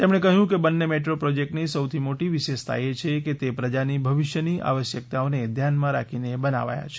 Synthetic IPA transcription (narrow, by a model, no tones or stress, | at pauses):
t̪emɽ̃ekəɦjũkebənːemeʈɾopɾɔd͡ʒek̚ʈnisəwt̪ʰimoʈiʋiʃeʃt̪ʰa̰jet͡ʃʰeket̪epɾəd͡ʒanibʱəʋɪʃjəniʔa̰ʋəʃjək̚t̪aoned̪ʱjanmãɾa̰kʰinebəna̰ʋa̰ja̰t͡ʃʰe